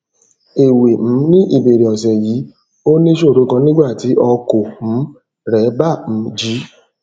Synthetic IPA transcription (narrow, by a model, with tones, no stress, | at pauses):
e˨we˨m̩̃˨˦nĩ˦ʔi˦˨be˨ɾe˨ɔ˨sɛ˨ji˨˦ | o˦nĩ˦ʃo˦˨ɾo˨˧˦ɡɔ̃˧˦nĩ˦ɡ͡ba˦˨ti˨˦ʔɔ˧ko˨m̩̃˨˦ | ɾɛ˨˦ba˦˨m̩˨˦d͡ʒi˨˦